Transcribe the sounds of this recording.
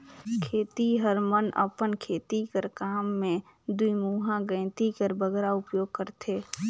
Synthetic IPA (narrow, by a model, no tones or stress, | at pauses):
kʰeːt̪iɦəɾmənʔə̰pənkʰeːt̪ikəɾkaːmːẽ | d̪uimuːɦãɡə̃ɪ̃t̪ikəɾbəɡɾaʊpjoːɡ̚kəɾt̪ʰeː